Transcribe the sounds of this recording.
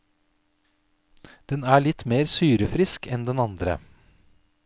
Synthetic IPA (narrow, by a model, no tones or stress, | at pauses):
d̪̥ɛnæːɭɪt̪meːɾsyːɾəfɾɪskʰɛnd̪ɛnɑnd̪ɾə̰